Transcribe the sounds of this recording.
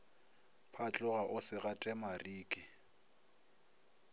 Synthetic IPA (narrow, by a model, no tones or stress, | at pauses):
pʰat͡ɬʼʊɣaʔʊsɪɣatʼɛmariːkʼɪ